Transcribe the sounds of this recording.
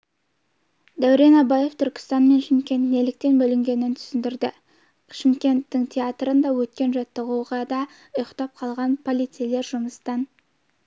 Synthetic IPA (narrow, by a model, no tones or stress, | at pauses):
d̪æwɾe̞nɑbɑje̞ft̪ʰʏɾkʲɪ̥st̪ɑnme̞nʃɪmkʲe̞nt̪nelɪk̚t̪e̞nbɵlɪŋɡʲe̞nɪnt̪ʰʏ̥sɪnd̪ɪɾd̪ɪ | ʃɪmkʲe̞nt̪ːɪŋt̪ʲʰeat̪ɾənd̪ɑwɵt̪kʲe̞nʒɑt̪ːəʁuʁɑd̪ɑ | ʊjqt̪ɑp̚qʰɑlˠʁɑnpʰo̞lˠijt̪sijle̞ɾʒʊməst̪ɑn